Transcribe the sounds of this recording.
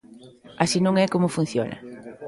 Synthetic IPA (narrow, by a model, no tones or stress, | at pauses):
asinõŋɛkomʊfun̟θjo̰nɐ̰